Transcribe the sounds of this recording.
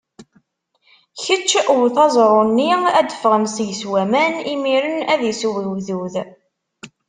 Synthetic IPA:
çət͡ʃːʔwθɑzˤɾˤonːiæd̪əfʁəmsjəswæmænimiɾənæðisuwiwðuð

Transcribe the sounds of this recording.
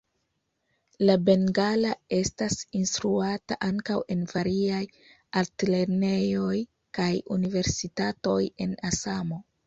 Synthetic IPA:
labe̞ŋɡalae̞stasinst̪ɾuata̰ʔaŋkawe̞nvaɾiaj | altle̞ɾne̞jo̞j | kajṵnive̞ɾsitato̞je̞nasamo̞

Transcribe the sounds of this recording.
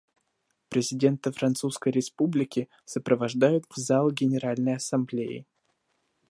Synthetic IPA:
pɾʲɪzʲɪdʲe̞nt̪əfɾɐnt̪suskəjɾʲɪspublʲɪkʲɪ | səpɾəvɐʐd̪ajʊt̪vzalˠɡʲɪnʲɪɾalʲnəjɐsɐmblʲejɪ̰

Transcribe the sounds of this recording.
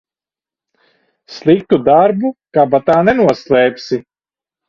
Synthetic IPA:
slˠik̚t̪ud̪aɾbukaːbat̪aːnɛnuɔslˠɛːpʲsi

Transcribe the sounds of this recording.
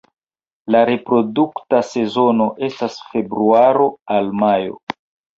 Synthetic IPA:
laɾe̞pɾo̞duktase̞zo̞no̞ʔe̞stasfe̞bɾuaɾo̞almajo̞̰

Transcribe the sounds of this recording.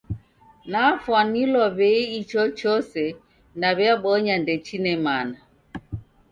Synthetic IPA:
nafwanilɔβɛiit͡ʃɔt͡ʃɔsɛ | naβɛaɓɔɲandɛt͡ʃinɛmana

